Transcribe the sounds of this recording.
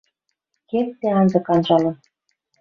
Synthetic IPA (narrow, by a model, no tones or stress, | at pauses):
kett̪ːeɑnzɤ̆kɑnʒɑlɤ̆n